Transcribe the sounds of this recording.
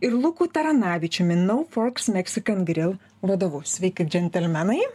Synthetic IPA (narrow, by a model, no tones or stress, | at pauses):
ɪɾlˠʊkuːt̪ɐɾɐnɑːʋʲɪt͡ʃʲʊmʲɪnɐʊfɔɾksmʲɛksʲɪkɐnɡɾʲɪlˠ | ʋɐd̪oːʋɐsʲʋʲɛɪkʲɪd͡ʒʲɛnʲt̪ʲɛlʲmʲɛnɐɪ